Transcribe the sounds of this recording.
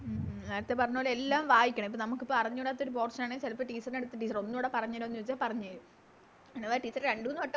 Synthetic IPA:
neːɾɐt̪ːepɐrɐɲːoːlelːaːmʋaːjikʲːɐɳɐmipːoːnɐmukːɨpːoɐrɐɲːuɽaːt̪ːoɾup̬o̞ːrsɐnaːɳet͡ɕelɐpːɐʈiːsɐrneɽut̪ːɨʈ̬ːiːs̬ɐro̞nːuʋiːɽepɐrɐɲːaːɾumnːuʋt͡ɕːaːlpɐrɐɲːaːɾu | nːeʋaːʈiːsɐrɾeɳɖuːnːuɐʈːɐ

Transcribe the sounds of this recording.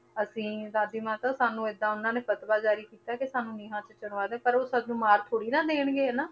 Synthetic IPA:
əsĩːd̪aːd̪iːmãːt̪ãːsaːnũːɪd̪ãːʊnːãːneːpət̪baːd͡ʒaːɾiːkiːt̪aːkɪsaːnũːniːɦãːt͡ʃət͡ʃəɽʋaːd̪ẽːpəɾoːsəd̪nũːmaːɾt̪ʰoːɽiːnãːd̪eːɽɡeːnaː

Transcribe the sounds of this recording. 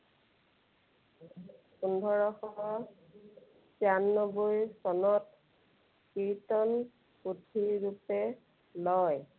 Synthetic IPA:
pundʱɔɹɔxɔɦɔ | sjanːɔbojsɔnɔt | kitɔn | kudʱiɹupɛ | lɔj

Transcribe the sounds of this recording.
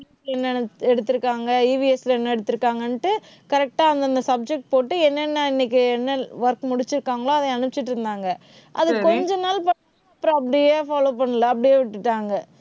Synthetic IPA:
slɛnːɐɛɽɯt̪ːɯɾɯkːaːŋɡɐiːʋiɛslɛnːɐɛɽɯt̪ːɯɾɯkːaːŋɡɐnʈːɯ | kɐɾɛk̚ʈaːɐnd̪ɐnd̪ɐsɐb̚d͡ʒɛk̚ʈ̚poːʈːɯɛnːɐnːɐɪnːɪk̬ːɯɛnːɐʋɐɾkmʊɽɪt͡ʃːɪɾɯkːaːŋɡɐɭoːɐðɐ̃ɐnɯpɪt͡ʃːɪʈːɪɾɯnd̪aːŋɡɐ | ʔɐðɯkɔɲd͡ʒɔnaːlpɐ | ɐpːɾõɐpːɐɽɪjeːfaːloːpɐɳːɯlɐɐpːɐɽɪjeːʋɪʈːɯʈːaːŋɡɐ

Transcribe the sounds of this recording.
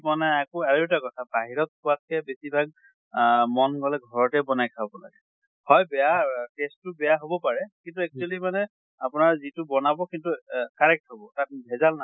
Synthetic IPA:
manɛakɔaɹeɛtakɔtʰabaɦiɹɔt̚kʊatkɛbesibʱaɡ̚ | mɔnɡɔlɛɡʱɔɹɔtɛbɔnajkʰabɔla̰ɡɛ | hɔjbɛjatestːʊbɛjaɦobɔpaɹɛkintuɛk̚t͡ʃualimanɛ | apʊnaɹzitʊbɔnabɔkintukaɹɛk̚tɦobɔtat̚bʱɛzalna

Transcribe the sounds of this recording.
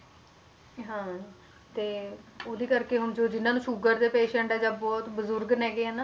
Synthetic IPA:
ɦãː | t̪eːoːd̪iːkəɾkeːɦʊnd͡ʒoːd͡ʒɪnːãːnũːʃʊɡəɾd̪eːpeːʃɛ̃ɳʈɛːd͡ʒãːbɔːt̪bəzʊɾɡnɛːɡeːɦɛːnaː

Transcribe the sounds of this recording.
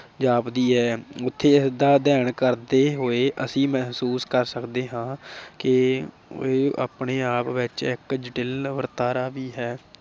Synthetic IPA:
d͡ʒaːpd̪iːɦɛːʊt̪ʰːeːɪsd̪aːd̪ɛːɳkəɾd̪eːɦoːeːʔəsĩːmɛɦsuːskəɾsəkd̪eːɦãːkɪ | eːa̰ːpɳeːaːpʋɪt͡ʃɪkd͡ʒʈɪlʋəɾt̪aːɾaːʋiːɦɛː

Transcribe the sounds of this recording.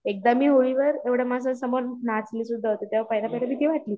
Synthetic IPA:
ek̚d̪amiːɦoɭiʋəɾeʋɽ̤jamasəsəmənnat͡sliːsud̪ʱːaɦot̪et̪jaʋapajlapaɦilabit̪ʰiʋaʈliː

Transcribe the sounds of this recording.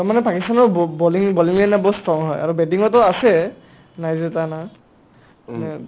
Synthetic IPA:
taɹmanɛpakistanɔbbɔliŋbɔliŋlanabɔtstɹɔŋɦɔja̰ɹubɛtiŋɔtɔasɛ | najzɛtana

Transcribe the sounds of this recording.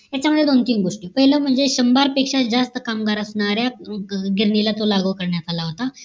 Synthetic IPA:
jat͡ɕjaməd̪ʱjed̪ont̪iːŋɡoʂʈiːpəɦiləm̤əɳd͡zeɕəmbaɾpekʂad͡zast̪əkamɡaɾəsɳaɾjaɡiɾɳilat̪olaɡəʋkəɾɳjat̪alaɦot̪a

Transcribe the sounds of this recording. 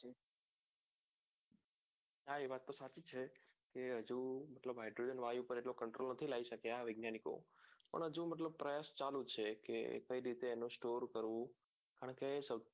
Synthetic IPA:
ɦaeʋat̪ːosat͡ʃit͡ʃʰe | keɦəd͡ʒũməʈ̪ləbɦajɖɾod͡ʒənʋajũpəɾeʈlokəɳʈɾolnət̪ʰilaiʃəkeaʋɪɡnjaniko̰pə̰ɳɦəd͡ʒũməʈ̬ləb̚pɾəjast͡ʃalũt͡ʃʰekḛkəiɾit̪eːnũsʈoɾkəɾʋũ | kaɳ̃kesə

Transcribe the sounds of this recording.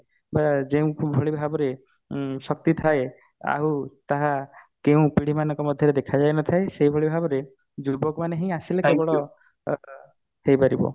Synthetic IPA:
bad͡ʒeũbʱɔɭibʱabɔɾe | sɔk̚t̪it̪ʰae | a̰ɦut̪aɦa | keũpiɽ̤imanɔŋkɔmɔd̪ʱjɔɾed̪ekʰad͡ʒajnɔt̪ʰaeseɦibʱɔɭibʱabɔɾe | d͡ʒubɔkmaneɦĩj̃asilekebɔɭɔ | hejpaɾibɔ̰

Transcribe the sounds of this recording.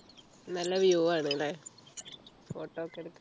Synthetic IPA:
nɐlːɐʋijoʋaːɳeŋɡile | foːʈːoːokːeɽukː

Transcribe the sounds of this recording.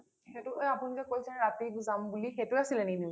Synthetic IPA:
xetʊeapunikɛkojsɛɹatibzambulixetʊasilɛnini

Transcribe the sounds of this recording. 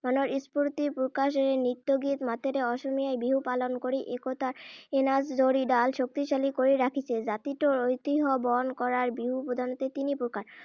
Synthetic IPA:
manoɾispuɾt̪ipukaʃeɾenit̪ːoɡit̪mat̪ʰeɾeɔʃomijajbiɦupalonkoɾiʔekot̪aɾenasd͡ʑoɾiɖalʃok̚t̪iʃalikoɾiɾakʰit͡ɕʰed͡ʑat̪iʈoɾojt̪iɦɔbɔnkɔɾaɾbiɦupɾod̪ʱanot̪et̪inipuɾkaɾ

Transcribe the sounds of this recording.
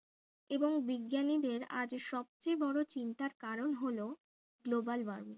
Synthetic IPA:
eboŋbiɡːjanid̪eɾa̰d͡ʑʃɔb̚t͡ɕebɔɽot͡ɕint̪aɾkaɾonɦolo | ɡlobalbaɾmi

